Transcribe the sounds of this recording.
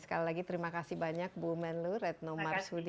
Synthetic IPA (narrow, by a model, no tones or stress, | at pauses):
sə̥kalilaɡit̪əɾimakasihbaɲak̚bumɛnlurɛt̪̚nɔmarsud